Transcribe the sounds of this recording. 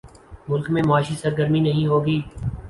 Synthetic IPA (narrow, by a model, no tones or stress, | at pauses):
mʊlkmẽmaːʃisəɾɡəɾminɐɦĩɦoːɡiː